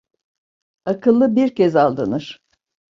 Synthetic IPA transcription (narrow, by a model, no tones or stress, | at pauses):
akʰɯlˠːɯbiɾcɛzalˠd̪ɯnɯɾ̥